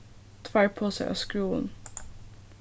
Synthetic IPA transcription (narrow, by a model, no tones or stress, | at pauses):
t̪ʰʋæɹpʰoːsæɪʔɑ̰ːskɾuːə̰n